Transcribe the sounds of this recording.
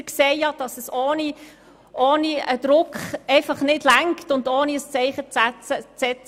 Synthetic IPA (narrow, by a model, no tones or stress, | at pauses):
kseːjɑd̥ɑsəsoːni | ʔoːniəd̥̪ɾʊkχɛɪfɑχnɪdlæŋktʊndoːniəst͡sɛɪχət͡sæt͡sət͡sɛt͡s